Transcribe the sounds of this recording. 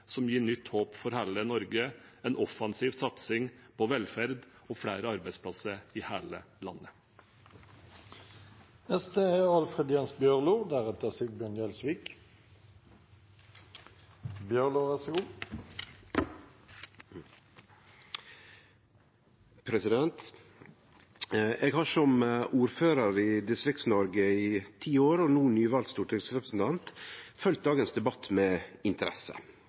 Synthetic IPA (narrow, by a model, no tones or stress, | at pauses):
sɔmjiːɳʏt̪ːhoːpfɔɾhæːlənɔɾɡəɛːnɔfɑnsiːʋsɑt̪sɪŋpʰɔʋɛlfæɾd̪ɔfɽæːɾəɑɾbæɪspʰlɑsəɾiːhæːlə | lɑ̰nːə | ɛst̪eːeɑlfʁɛd̪jɑnsbjøːʁluːd̪æʁɛt̪əsɪɡ̪bjœnjɛlsʋiːk | bjœʁluʋɛsɡuː | pʰɾɛsɪd̪ɛnt̪ | eːɡhɑʂɔmʔuːɾføːɾəɾɪd̪ɪst̪ɾɪkt̪snɔɾɡəit̪ʰiːoːɾɔnuːnyːʋɑlt̪st̪uːʈʰɪɡsɾɛpɾəsn̩t̪ʰɑnt̪fœlt̪̚d̪ɑːɡənsd̪ɛbɑt̪ːmɛːɪnt̪əɾɛsə̰